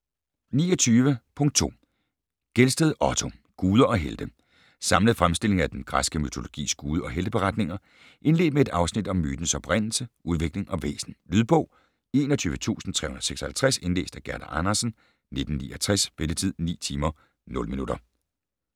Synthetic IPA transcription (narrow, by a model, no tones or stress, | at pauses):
niːɐɒt͡sʰyːʋəpʰɔ̽ŋd̥̚t͡sʰo̝̰ː | ɡ̥elsd̥əð̞ˠʔɒt͡sʰo̝ | ɡ̥uːð̞ˠɐʔɒ̽ɦeld̥ə | sɑ̈mləð̩ˠfʁamsd̥e̝l̰e̝ŋæd̥enɡ̥ʁasɡ̥əmyt͡sʰo̝lo̝ɡ̥ḭːsɡ̥uːð̞ˠəɒ̽ɦeld̥əb̥e̝ʁɑ̈d̥ne̝ŋɐ | ʔe̝nle̝ːd̥̚mee̝d̥ɑ̈ʊsnid̥ɒ̽mːyːd̥n̩sɒ̽b̥ʁɛn̰l̩səʔuð̞ˠʋe̝ɡ̥le̝ŋʔɒ̽ʋḛːsn̩lyð̞ˠb̥ɔ̽ʊ | e̝ːnɒt͡sʰyːʋət͡sʰṵːsn̩t͡sʰʁɛ̰ːhunɐðˠseɡ̥sɒhælt͡sʰʁase̝nle̝̰ːsd̥æɡ̥æɐɾ̥æʔɑnɐsn̩ | ne̝d̥n̩niːɐt͡sʰʁasb̥elət͡sʰið̰ˠnḭːt͡sʰiːmɐ | nɔ̽ləminud̥ɐ